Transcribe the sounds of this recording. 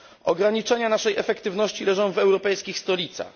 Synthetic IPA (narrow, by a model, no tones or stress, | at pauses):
ɔɡɾaɲit͡ʂɛɲanaʂɛjɛfɛkt̪ɘvnɔɕt͡ɕilɛʐɔ̃w̃vɛwɾɔpɛjskʲixst̪ɔlʲit̪sa̰x